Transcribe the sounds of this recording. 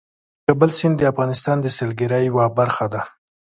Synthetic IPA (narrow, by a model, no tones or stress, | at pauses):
kabəlsɪnd̪əafɣɑnɪst̪ɑnd̪əsɪlɡɪɾajwabaɾxad̪a